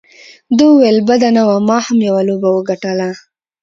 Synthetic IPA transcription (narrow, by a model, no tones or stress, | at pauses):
d̪uwelbad̪anawamɑhamjawalobawəɡaʈəla